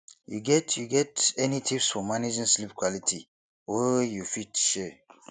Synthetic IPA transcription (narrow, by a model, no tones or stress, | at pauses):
jṵɡɛtʰjuɡɛtɛnitʰipsfɔmaned͡ʒĩnslipkwalitʰi | wejufitʃɛ